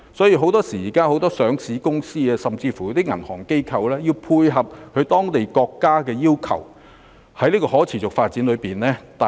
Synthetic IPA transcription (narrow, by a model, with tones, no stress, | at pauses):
sɔː˨˥jiː˧ɦo˨˥wt̪ɔː˥siː˨˩jiː˨˩kaː˥ho˨˥wt̪ɔː˥sœː˨˥ŋsiː˨˥kʊ˥ŋsiː˥ɛ˧sɐ˨mt͡siː˧fu˨˦˥t̪iː˥ŋɐ˨˩nhɔː˨˩ŋke˥jkʰɐ˧wlɛː˥jiː˧wpʰuː˧jɦɐ˨p̚hʰɵ˨˧t̪ɔː˥ŋt̪e˨jkɔː˧kːaː˥kɛː˧jiː˥wkʰɐ̰˨˩w | hɐ˨˥jliː˥kɔː˧ɦɔː˨˥t͡sʰiː˨˩t͡sʊ˨k̚faː˧t̚t͡siː˨˥nlɵ˨˧piː˨nlɛː˥t̪a˨